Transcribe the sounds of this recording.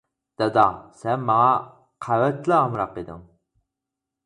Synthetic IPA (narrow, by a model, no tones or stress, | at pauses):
d̪̥ɑd̪ɑsɛnmɑŋɑ | qʰæwɛt̪lɪɑmɾɑqid̪ɪ̰ŋ